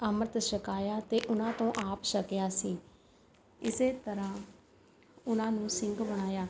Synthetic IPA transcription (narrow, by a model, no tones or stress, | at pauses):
aːməɾət̪ʃəkaːjaːt̪eːʔʊnãːt̪õːʔaːpʃəkjaːsiː | ɪseːt̪əɾãː | ʊnãːnũːsɪ̃ŋɡbəɽaːjaː